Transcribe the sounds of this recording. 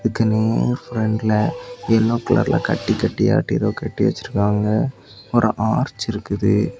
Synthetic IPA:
ɪðɯkːɯneːɾfɾɛɳɖlɐɛlːoːkɐlɐ̰ɾlʔa̰ːkɐ̰ʈːikɐʈːia̰ːʈːiðoːkɐʈːiʋɛ̰t͡ʃːɪɾɯkːaːŋɡɐ | ɔɾʔɯʔaːɾt͡ʃːɪɾɯkːɯðɯ

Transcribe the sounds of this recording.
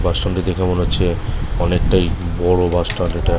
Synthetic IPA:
basʈonʈid̪ekʰemonoːt͡ɕʰeɔnek̚ʈajbɔɽobasʈaneʈa

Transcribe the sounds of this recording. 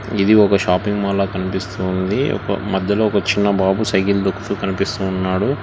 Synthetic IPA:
id̪iɔkɐʃaːpiŋɡmaːlaːkɐnipist̪uːnd̪iɔ̰kɐ̰mɐd̪ʱjɐlo̞ːɔkɐt͡ʃinːɐbaːbusɐjɡild̪ɐkːu̥t̪ukɐnipist̪uːnːaːɽu

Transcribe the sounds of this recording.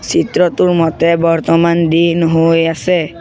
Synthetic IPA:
sitɹɔtʊɹmɔtɛbɔɹt̪ɔmandinɦojasɛ

